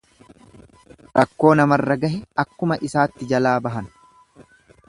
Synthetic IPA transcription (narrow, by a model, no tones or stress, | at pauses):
ɾɐkːo̞ːnɐmɐrːɐɡɐɦɛɐkːʊmɐʔɪsaːt̪ːɪd͡ʒɐlaːbɐɦɐn